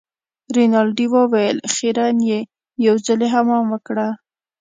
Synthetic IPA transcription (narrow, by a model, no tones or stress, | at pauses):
ɾinɑlɖiwəwajəlxeɾanje | jawzəleɦamɑmwəkɽa